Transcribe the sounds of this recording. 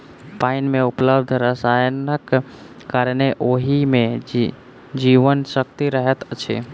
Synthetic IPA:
painmeupləbd̪ʱɾəsajnəkː | aɾneʔoɦimẽ | d͡ʒiʋənsəkt̪iɾəɦɛt̪t͡ʃʰḛ

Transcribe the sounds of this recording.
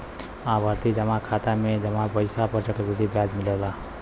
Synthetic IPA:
ãbəɾt̪id͡ʒəmãkʰat̪amẽd͡ʒəmãpəɪsapəɾt͡ʃəkebid̪ibʱjaːd͡ʒmɪləla

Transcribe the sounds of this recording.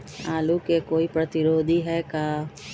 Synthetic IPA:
aːlukekoːipɾɐt̪ɪɾoːd̪ʱiɦɛkaː

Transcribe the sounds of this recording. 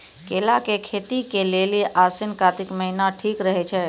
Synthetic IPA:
kelakekʰet̪ikeleliʔasinkat̪ikməɦinaʈʰikɾəɦɛt͡ʃʰɛ

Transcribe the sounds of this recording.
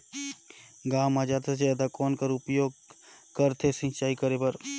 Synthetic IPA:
ɡaːmaːd͡ʒaːt̪ed͡ʒeɛd̪akɔːnkəɾʊpjoːɡ̚ | kəɾt̪ʰesɪ̃t͡ʃaːikəɾepəɾ

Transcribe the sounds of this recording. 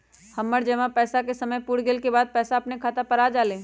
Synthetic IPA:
həmːəɾd͡ʒɛmãpɛːsakesəməjpuːɽɡeːlkebaːd̪̚pɛːsaɐpnekʰaːt̪apəɾaːd͡ʒaːlẽː

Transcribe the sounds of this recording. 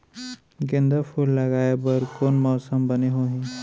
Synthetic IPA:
ɡẽnd̪əpʰuːlːɐɡaːebəɾkoːnmɔːsəmbəneɦoːɦĩː

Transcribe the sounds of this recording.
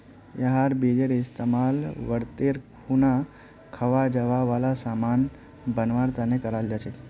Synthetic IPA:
jəɦaɾbed͡ʒeɾɪst̪emalʋəɽt̪eɾkʰuna | kʰəʋad͡ʒəʋaʋalasaman | bənʋaɾt̪anekəɾald͡ʒat͡ʃʰe

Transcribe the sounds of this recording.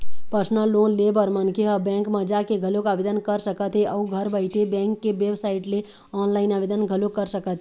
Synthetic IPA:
pəɾsnəlːoːnlebəɾmənkʰeəbɛ̃ːŋkməd͡ʒakeɡʱəlokaːbed̪ənkəɾsəkət̪ɦeʔɔːɡʱəɾbəɪʈʰebɛ̃ːŋkːeʋebsaɪʈle | ɔːnlaːɪnaːʋed̪ənɡʱəlokəɾsəkət̪

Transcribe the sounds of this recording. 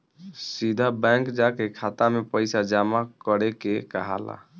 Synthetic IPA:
sid̪ʱabəŋkd͡ʒakekʰat̪amepəɪsad͡ʒamakəɾekekəɦa̰la̰

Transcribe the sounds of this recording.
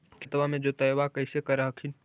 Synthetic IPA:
kʰɪt̪ʋamẽd͡ʒot̪əjʋakəɪsekəɾəɦəkʰin

